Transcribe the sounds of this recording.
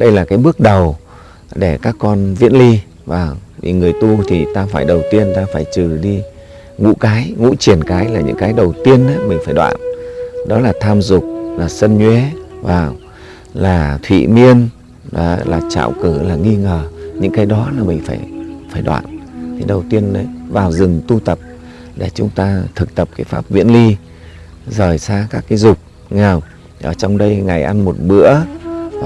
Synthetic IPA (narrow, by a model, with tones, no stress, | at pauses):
ɗə˧jlaː˨˩kaː˨˦jɓɨ˦˥ək̚ɗə˨˩w | ɗe˧˩kaː˦˥kːɔ˧nvḭ˧˥ənli˧ | vaː˨˩wɗi˨˩ŋɨ˨˩əjt̪u˧t̪ʰi˨˩t̪aː˧faː˧˩jɗə˨˩wt̪i˧ənt̪aː˧faː˧˩jt͡ɕɨ˨˩ɗi˧ | ŋṵ˧˥kaː˨˦jŋṵ˧˥t͡ɕi˨˧˩ənkaː˨˦jlaː˨˩ɲɨ̰˧˥ŋkaː˨˦jɗə˨˩wt̪i˧ənʔaː˨˦mï˨˩ŋ̟faː˧˩jɗwa̰ː˧˨nɗɔ˨˦laː˨˩t̪ʰaː˧mzʊ˨˩k͡p̚laː˨˩sə˧nɲwe˨˦vaː˨˩w | laː˨˩t̪ʰwḭ˧˨mi˧ən | ɗɔ˨˦laː˨˩t͡ɕa̰ː˧˨wkɨ˧˩laː˨˩ŋi˧ŋəː˨˩ɲɨ̰˧˥ŋkaː˨˦jɗɔ˨˦laː˨˩mï˨˩ŋ̟faː˧˩jfaː˧˩jɗwa̰ː˧˨nt̪ʰi˨˩ɗə˨˩wt̪i˧ənɗə˨˦jvaː˨˩wzɨ˨˩ŋt̪u˧t̪ə˨˩p̚ | ɗe˧˩t͡ɕʊ˨˦ŋ͡mt̪aː˧t̪ʰɨ˨˩k̚t̪ə˨˩p̚kaː˨˦jfaː˦˥p̚vḭ˧˥ənli˧ | zəː˧˩jsaː˧kaː˦˥kːaː˨˦jzʊ˨˩k͡p̚ | ŋa˨˩w | ʔəː˧˨˩t͡ɕɔ˧wŋ͡mɗə˧jŋa˨˩jʔa˧nmo˨˩t̚ɓɨ̰˧˥ə˨